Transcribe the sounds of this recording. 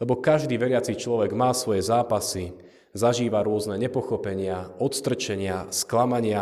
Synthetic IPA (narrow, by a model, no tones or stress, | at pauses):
lɛbɔkaʒd̪iːʋɛɾɪat͡sit͡ʃlɔʋɛɡmaːsʋɔjɛzaːpasi | zaʒiːʋaɾʊɔznɛɲɛpɔxɔpɛɲɪaɔt̪st̪r̩t͡ʃɛɲɪasklamaɲɪa